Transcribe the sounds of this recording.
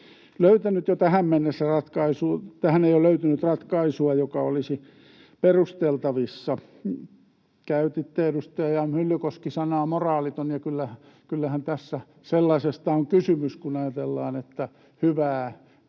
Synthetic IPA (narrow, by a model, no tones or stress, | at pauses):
løyt̪ænyt̪jot̪æhæmmenːesːærɑt̪kɑisuːt̪æhæneijoløyt̪ynyt̪rɑt̪kɑisuɑjokɑolisi | perust̪elt̪ɑʋisːɑ | kæyt̪it̪ːeedust̪ɑɑjɑmylːykoskisɑnɑːmorɑːlit̪onjɑkylːæhkylːæhænt̪æsːæ | selːɑsest̪ɑoŋkysymyskunɑjɑt̪elːɑ̰ːnet̪ːæ | hyʋæː